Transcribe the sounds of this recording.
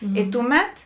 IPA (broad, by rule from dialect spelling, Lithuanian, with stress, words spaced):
ɪ ˈtʊˌmʲɛt